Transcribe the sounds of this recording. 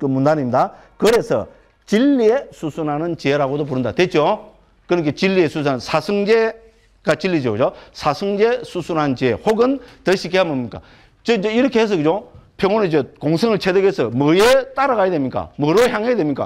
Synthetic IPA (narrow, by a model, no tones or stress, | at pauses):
kɯmundanimda | kɯɾe̞sʰʌ̰ | t͡ɕilːiesʰusʰunɦanɯnt͡ɕieɾaɡodop̬uɾɯnda̰t̪wet͡ɕo | kɯɾɯkʰet͡ɕilːiesʰusʰunasʰasʰɯŋd͡ʑe | kat͡ɕilːid͡ʑʌɡɯd͡ʑosʰasʰɯŋd͡ʑesʰusʰunɦant͡ɕehoɡɯnt̪ʌɕʰik͈eambomɲik͈a̰ | t͡ɕɯd͡ʑʌiɾʌkʰeɦes̬ʌɡɯd͡ʑopʰeŋoned͡ʑʌkoŋsʰeŋɯɭt͡ɕʰedɯɡesʰʌmʌjet̪͈aɾaɣajadwemɲik͈a̰mʌɾoçjaŋɦedwemɲik͈a̰